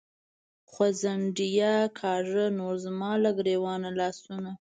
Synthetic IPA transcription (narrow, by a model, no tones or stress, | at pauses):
xwazaɳɖijakʰɑʐənoɾzmɑlaɡɾewɑnalɑsuna